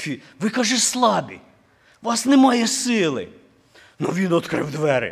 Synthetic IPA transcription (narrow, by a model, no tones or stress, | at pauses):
fʲi | ʋɪkɑʒɛslˠɑbʲḭ | ʋɑsnɛmɑjɛsɪlˠɪ̰ | nuʋʲinɔt̪kɾɪ̰wd̪ʋɛɾʲɪ̰